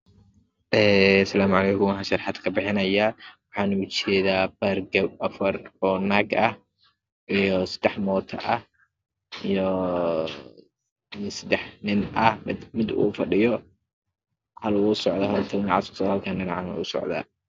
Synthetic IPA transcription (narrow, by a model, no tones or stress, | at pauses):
ʔɛːsɐlaːmʊʕɑlɛːkʊmwɑħaʃɐɾħad̪kʰɐbɪħɪnɐjaːwɑħɑːnʊt͡ʃɛːðaːbɐrɡɐɐfɐrɔːnaːɡɐh | ʔijɔsɐ̥d̪̥ɛħmɔːt̪ʰɐ̰ʔɐh | ijɔ | nɪsɐd̪ɛħnɪnʔɐhmɪd̪mɪd̪ṵːfɐɗɪjɔ | hɐlwuːsɔʕd̪ɐɦɐlt̪ʰɐɪnaʕasʊ̥sʰɔhɐlkʰɐnɡɐnaʕanɐ̰ʊsɔ̰ʕd̪a̰ː